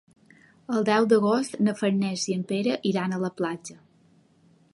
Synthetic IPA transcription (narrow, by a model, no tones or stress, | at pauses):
əlˠd̪ɛwd̪əɣost̪nəfəɾnɛziəmpeɾəʔiɾanələplad͡ʒə